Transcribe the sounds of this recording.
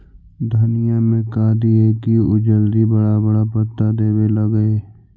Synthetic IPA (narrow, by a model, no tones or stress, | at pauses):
d̪ʱənɪjamẽkaːd̪ieːkiʊd͡ʒəld̪ibɐɽabɐɽapət̪ːad̪eːweləɡəeː